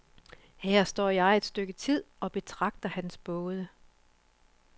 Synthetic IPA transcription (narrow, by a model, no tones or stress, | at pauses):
hæɐ̰sd̥ɒ̰ːjɑ̈ɪe̝d̥sd̥øɡ̥ət͡sʰið̰ˠɒ̽b̥e̝t͡sʰʁɑ̈ɡ̥̚d̥ɐhænsb̥ɔːð̞ˠə